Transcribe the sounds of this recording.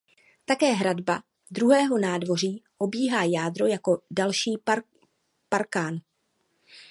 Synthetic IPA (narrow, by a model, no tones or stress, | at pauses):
t̪akɛːɦɾadba | dɾuɦɛːɦo̞naːdvo̞r̝iːʔo̞biːɦaːjaːdɾo̞jako̞dalʃiː | paɾkaːn